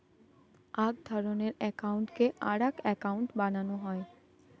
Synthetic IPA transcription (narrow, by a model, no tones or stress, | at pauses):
aɡ̚d̪ʱɔɾoneɾɛkauɳʈkeʔaɽakɛkaʊɳʈbananoɦɔe